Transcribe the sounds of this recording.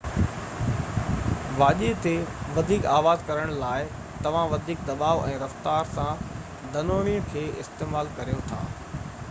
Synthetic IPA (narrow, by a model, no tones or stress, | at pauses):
ʋaːʄit̪eʋɐd̪ʱiːkaːʋaːd̪kɐɾəɽ̃laːɪ | t̪ɐʋ̤ãʋɐd̪ʱiːk̚d̪ɐbaːʋɛ̃ːɾɐft̪aːɾsã | d̪ʱɐnoːɽ̃iə̃kʰeːɪ̰st̪eːmaːlkɐɾijot̪ʰa̰ː